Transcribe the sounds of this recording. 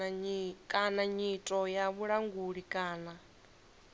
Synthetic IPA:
kʼanaɲitʼɔjaβuɺaŋɡuɺikʼaːna

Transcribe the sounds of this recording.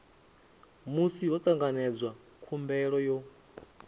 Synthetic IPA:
musiwɔt̪ʼaŋɡanɛd͡zwa | kʰumbɛɺɔjɔ

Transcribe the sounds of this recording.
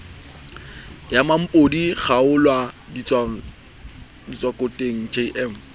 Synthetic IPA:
jamam̩pʼodiχaʊlwa | dit͡sʼwakʼotʼeŋ̩t͡ʃʰeʔɛːm̩

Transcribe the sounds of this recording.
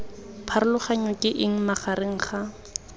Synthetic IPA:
pʰaɾʊlʊχaɲɔkʼɪʔɪŋ̩maχaɾɪŋ̩χa

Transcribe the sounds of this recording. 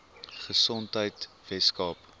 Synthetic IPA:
χəsɔntɦəjt | vɛtskɑːp

